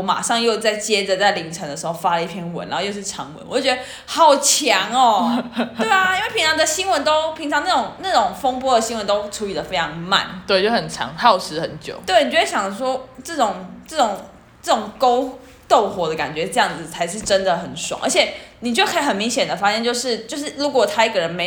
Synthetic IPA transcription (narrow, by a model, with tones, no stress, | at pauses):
wɔ˧˦ma̰˨˩ʂɑ˥˧ŋjo˥˧ʊt͡sa˥˩ɪt͡ɕjɛ˥d͡zə˨t͡sa˥˩ɪli˧˥ŋʈ͡ʂʰɤ˧˥ŋd̪ə˧˩ʂɻ̩˧˥xo˥˧fa˥lə˨˧i˥˩pʰjɛ˥nwə̰˧˦n̰˨˧˦jo˥˧ʂ̩˥˩ʈ͡ʂʰɑ˧˥ŋwə̰˧˦nwɔ˨˩˥t͡ɕɥɛ˧d̪ə˧ | xɑ˥˩ʊt͡ɕʰjɑ˧˥ŋɔ˨˧twe˥˩ɪa˩i˥nwe˥˩ɪpʰi˧˦nt͡sʰɑ˧˥ŋd̪ə˧ɕi˥ŋwə˧˦nt̪o˥ʊpʰi˧˥ŋʈ͡ʂʰɑ˧ŋna˥˩ʊ˨˩ŋna˥˩ʈ͡ʂʊ˨˩ŋfo˥ŋpwɔ˥d̪ə˨˩ɕi˥ŋwə˧˦nt̪o˥ʊʈ͡ʂʰu˧˥li˨˩d̪ə˩fe˥ɪʈ͡ʂʰɑ˧˥ŋma̰˥˨nt̪we˥˧t͡ɕjo˥˩xə˨˩nʈ͡ʂʰɑ̰˧˥ŋxɑ˥˩ʊʂɻ̩˧˥xə˨˩˦nt͡ɕjo̰˨˩ʊt̪we˥˩ni˨t͡ɕɥɛ˧˥e˥˩ɕjɑ˨˩ŋlʂwɔ˥ʈ͡ʂɤ˥˩ʈ͡ʂʊ˨˩ŋʈ͡ʂɤ˥˩ʈ͡ʂʊ˨˩ŋ | ʈ͡ʂɤ˥˩ʈ͡ʂʊ˨˩ŋko˥ʊ | t̪o˥˩ʊxwɔ˧˥d̪ə˧ka̰˨˩nt͡ɕɥɛ˧˥ʈ͡ʂɤ˥˧jɑ˥˩ŋd͡zɹ̩˨˩t͡sʰa˧˥ɪʂɻ̩˥˩ʈ͡ʂə˦˥nd̪ə˨xə˨˩nʂwɑ̰˨˦ŋʔə̰˧˥t͡ɕʰjɛ˨˩˦ni˨˩t͡ɕjo˥˩ʊkʰɤ˥i˧˦xə˨˩nmi˧˥ŋɕjɛ˨˩nd̪ə˩fa˥ɕjɛ˥˧nt͡ɕjo˥˧ʊʂɻ̩˥˩t͡ɕjo˥˧ʊʂ̬ɻ̩˥˩ɻu˧˥kwɔ˨˩t̪ʰa˥i˥˩ɡə˨˩ɻə˧˦nme˧˥